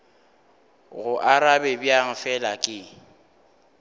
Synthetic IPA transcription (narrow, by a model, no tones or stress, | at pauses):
ɣʊʔaɾabɛbjaŋ̩fɛlakʼɪ